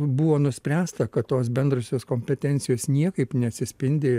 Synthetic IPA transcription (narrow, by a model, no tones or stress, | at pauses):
bʊʋoːnʊsʲpʲɾʲæːst̪ɐkɐt̪t̪oːs̬bʲɛnd̪rɐsʲoːskoːmʲpʲɛt̪ʲɛnʲtsʲɪjoːsnʲiɛkɐɪpnʲɛɐt̪ʲsʲɪsʲpʲɪnʲd̪ʲeː